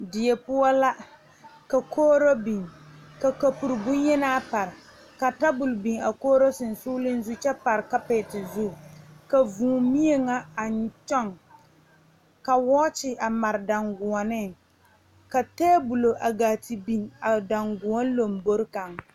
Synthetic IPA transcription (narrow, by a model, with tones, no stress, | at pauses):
dɪ˨jɛ˨pʊ˦ɔ˦la˦ | ka˨kʰoː˦ɾo˦bi˨ŋka˨ka˨pu˨ɾbʊ˦ɲjɛ˦naː˦pa˨ɾɪ˨ | ka˨ta˦bʊ˨lbi˨ŋa˨koː˦ɾo˦sɪ˨n˨su˦lɪ˦n˦zu˦t͡ʃɛ˦pa˨ɾɪ˨ka˦peː˨tɪ˨zu˦˨ka˨vuː˨mi˦e˦ŋa˦a˨ɲ˨t͡ʃɔ˦ŋ | ka˨wɔː˦t͡ʃɪ˨ʔa˨ma˨ɾda˨ŋɡʊ˨ɔ˨nɪ˦ | ka˨teː˦bu˨lo˨ʔa˨ɡaː˨ti˨bi˨ŋa˨da˨ŋɡu˨ɔ˦n˦lo˨mbo˦ɾka˨ŋ